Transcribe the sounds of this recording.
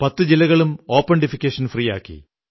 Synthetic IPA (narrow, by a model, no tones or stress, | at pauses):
pɐt̪ːɨd͡ʑilɐɣɐɭumo̞ːpːɐɳɖifikʲːeːʂɐnfriːja̰ːkːḭ